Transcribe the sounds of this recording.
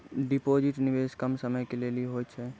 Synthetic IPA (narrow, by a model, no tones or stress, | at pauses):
ɖipod͡ʒɪʈnɪʋeskəmsəməjkelelieɦoːt͡ʃʰɛ